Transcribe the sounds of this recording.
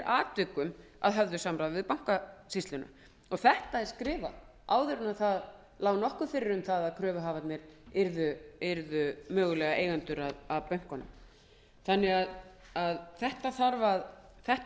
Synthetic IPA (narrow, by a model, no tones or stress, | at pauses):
ɾʔaːt̪vʏkːʏm | a̰ðɦœvðʏsamɾaːðvɪðpawŋ̥kasist̪lʏna̰ | ɔɣθɛht̪aɛɾskɾɪːva̰ | aːwðɪɾʏnaðθað | laːwnɔhkʏfɪɾɪɾʏmθaðaðkʰɾœːvʏɦaːvat̪nɛɾɪɾðʏɪɾðʏmœːɣʏlɛːɣaʔejɣant̪ʏɾaðaðpœɥŋ̥kɔnʏ̰m | θanːɛɣað | aðθɛht̪aθaɾvað | θɛht̪